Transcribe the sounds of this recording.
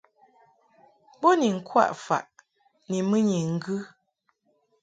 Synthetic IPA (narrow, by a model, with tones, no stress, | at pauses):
bɔ˦ni˨ŋ̩˨kʰwa̰˦˨ʔfa̰˨ʔ | ni˨mə˦ɲi˨ŋ̩˦ɡɨ˦